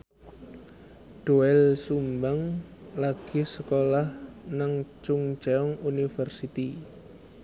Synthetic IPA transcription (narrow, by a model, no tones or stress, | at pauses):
ɖ̥uɛlsumbaŋlaɡ̥isəkolahnaŋt͡ʃʊŋd͡ʒaɔŋunifərsit̪i